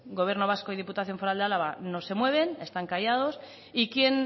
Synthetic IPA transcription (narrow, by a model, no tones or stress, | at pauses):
ɡo̞βjeɾno̞β̞askoið̞iput̪aθjo̞ɱfo̞ɾald̪alaβano̞se̞mwe̞β̞e̞ne̞st̪aŋkajað̞o̞s | ikje̞n